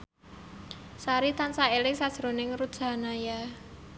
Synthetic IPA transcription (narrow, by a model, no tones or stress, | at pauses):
saɾit̪ansaelɪksad̥ʒ̥ɾo̤nɪŋɾu̥ʒ̥a̤naja